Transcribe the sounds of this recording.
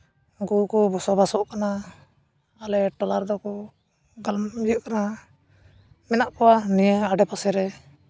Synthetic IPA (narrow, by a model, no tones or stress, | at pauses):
ɡukɔbɔsɔbasɔʔkana | alɛʈɔlaɾd̪ɔkɔ | ɡalmd͡ʒuʔkana | mɛnaʔkɔwanijɛaɖɛpasɛɾɛ